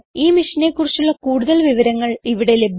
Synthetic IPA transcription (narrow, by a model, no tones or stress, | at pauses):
iːmiʂɐne̞ːkːurit͡ɕːuɭːɐkuːɽuðɐlʋiʋɐɾɐŋːɐɭiʋiɽe̞le̞bʱ